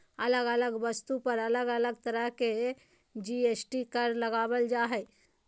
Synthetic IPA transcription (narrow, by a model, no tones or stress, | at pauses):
ɐləɡələɡʋəst̪upəɾələɡələɡ̚t̪əɾəɦke | d͡ʒiesʈikəɾləɡaːʋəld͡ʒaːɦɛ